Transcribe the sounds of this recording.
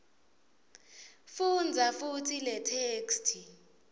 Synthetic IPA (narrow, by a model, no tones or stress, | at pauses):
fund͡zʱafutʰilɛtʰeːkstʰi